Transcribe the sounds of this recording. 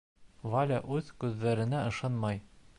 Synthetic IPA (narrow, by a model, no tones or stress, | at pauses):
valʲaʔʉðkʉðːæɾɘ̆næɤ̆ʃɑnmɑj